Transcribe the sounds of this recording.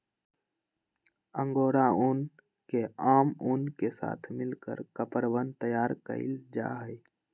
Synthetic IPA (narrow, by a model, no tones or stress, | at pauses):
ə̃ŋɡoːɾaʊn | keaːmʊnkesa̰ːt̪ʰmɪlkə̰ɾkəpəɾʋənt̪əjaːɾkə̰ɪ̰ld͡ʒa̰ːɦəi